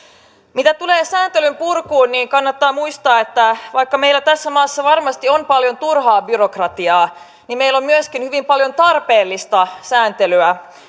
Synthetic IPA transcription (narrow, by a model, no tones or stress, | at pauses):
mit̪æt̪uleːsæːnt̪elympurkuːnniːŋkɑnːɑt̪ːɑːmuist̪ɑːet̪ːæʋɑikːɑmeilæt̪æsːæmɑːsːɑʋɑrmɑst̪ionpɑljo̞nt̪urhɑːbyrokrɑt̪iɑː | nimmeilo̞mmyøskinhyʋimpɑljo̞nt̪ɑrpeːlːist̪ɑsæːnt̪elyæ